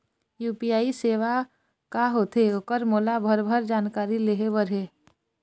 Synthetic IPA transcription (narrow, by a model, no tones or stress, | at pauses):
juːpiaːiseːʋa | kaɦot̪eokəɾmoːlabʱəɾbʱəɾd͡ʒaːnkaːɾileɦebəɾɦe